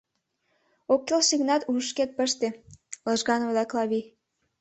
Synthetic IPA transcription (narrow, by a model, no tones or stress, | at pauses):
okːelʃiɣnɑt̪uʃket̪̚pə̆ʃt̪elɤʒɣɑnβlæklɑβi